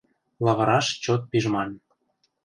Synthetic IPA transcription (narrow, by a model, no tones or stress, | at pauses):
lɑβɤɾɑʃt͡ɕot̪̚piʒmɑn